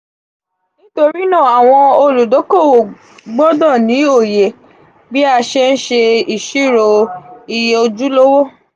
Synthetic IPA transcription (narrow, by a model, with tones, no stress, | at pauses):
nĩ˦to˧ɾi˦nã˦˨a˨w̃ɔ̃˧o˧lu˨do˨˦ko˦˨wo˨ | ɡ͡bɔ˦dɔ̃˦˨nĩ˨˦o˦˨je˨ | bi˦a˧ʃe˦n̩˦ʃe˧i˨ʃi˦˨ɾo˧i˧je˧o˧d͡ʒu˦lo˦wo˦˨